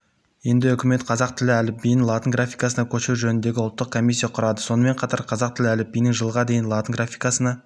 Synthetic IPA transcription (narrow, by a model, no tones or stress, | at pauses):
je̞nd̪ɪʏkʲɪme̞t̪qʰɑzɑq̚t̪ʰɪlɪælɪp̚bijɪnlˠɑt̪əŋɡrafʲijkɑsənɑkʲʰɵʃeʒɵnɪnd̪e̞ɡʲɪʊlˠt̪ːəq̚kʰo̞mʲis̬ʲːijɑqʰʊɾɑd̪əso̞nəme̞ɴqʰɑt̪ɑɾqʰɑzɑq̚t̪ɪlɪælɪp̚bijnɪŋʒəlˠʁɑd̪e̞jɪnlˠɑt̪əŋɡrafʲijkɑsənɑ